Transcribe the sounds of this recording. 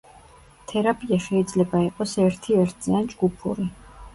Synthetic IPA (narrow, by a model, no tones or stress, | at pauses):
t̪ʰɛɾapʼiaʃɛid̪zlɛbaiqʼɔsɛɾt̪ʰiɛɾt̪ʰziand͡ʒɡupʰṵɾi